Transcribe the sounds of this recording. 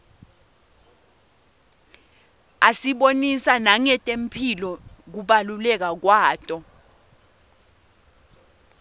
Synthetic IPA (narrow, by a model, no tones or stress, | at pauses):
asiɓonisanaŋɛtʼem̩pʰilɔk̬uɓalulɛk̬ak̬waːtʼɔ